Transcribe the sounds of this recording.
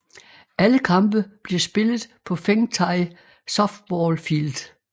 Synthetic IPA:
ʔæləkʰɑ̈mb̥əb̥le̝sb̥e̝lð̩ˠpʰɒ̽feŋt͡sʰɑ̈ɪ | sɒ̽fd̥̚bɒːlfild̥

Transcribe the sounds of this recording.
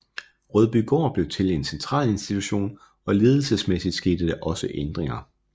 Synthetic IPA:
ʁœðˠb̥yːɡ̥ɒ̰ːb̥le̝ʊt͡sʰe̝le̝nsent͡sʰʁɑ̰̈ːle̝nsd̥it͡sʰuɕo̝̰ːn | ɒ̽le̝ːð̞ˠl̩səsmesid̥sɡ̥e̝ːd̥əd̥eʔɒ̽səʔend̥ʁeŋɐ

